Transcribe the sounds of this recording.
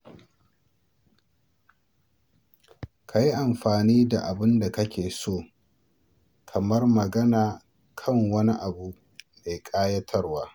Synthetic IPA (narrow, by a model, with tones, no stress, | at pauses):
kʰa˨ji˦ʔa˨mɸaː˨niː˦da˨ʔa˨bɪ˦nda˨kɐ˦kʲeː˨soː˦˨ | kʰɐ˨mɐ˦rmɐ˨ɡɐ˦naː˨ | kʰɐ˦˨ŋwɐ˦ni˦ʔa˨bu˦ʔ | meː˨kʼaː˦jɐ˦tʰɐ˦rwaː˦